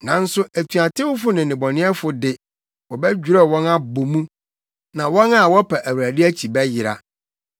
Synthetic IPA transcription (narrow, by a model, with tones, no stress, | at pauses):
nã˨n̩˦sʊ˦ʔæ˨tʰu˨a˨tʰɪ˦wʊ˦fʊ˦nɪ̃˨nɪ̃˨bɔ˨nɪ̃˦ɛ˦fʊ˨dɪ˨ | wɔ˨bɛ˦d͡ʑᶣu˨ɾɛ˦˨wɔ̃˦na˦bo˨mũ˦ | nã˨wɔ̃˦na˦˨wɔ˦pʰa˨ʔæ˨wu˨ɾæ˨dɪ˦æ˦t͡ɕʰi˨bɛ˦jɪ˨ɾa̰˨